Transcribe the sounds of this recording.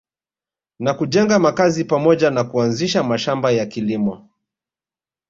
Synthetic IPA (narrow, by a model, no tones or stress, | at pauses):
nakuʄɛŋɡamakazipamɔʄanakuanziʃamaʃambajakilimɔ